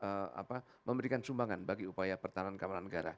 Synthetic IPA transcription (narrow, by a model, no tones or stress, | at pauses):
ʔəa̰pa | məmbəɾikansumbaŋanbaɡiupajapərt̪anankamananːəɡaɾa̰